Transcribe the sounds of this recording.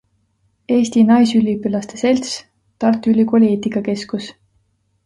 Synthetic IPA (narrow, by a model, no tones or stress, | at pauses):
e̞ːst̪inɑjsylʲipːylɑst̪e̞se̞lʲt̪s | t̪ɑrt̪ˑylʲikolʲeːt̪ikɑke̞skus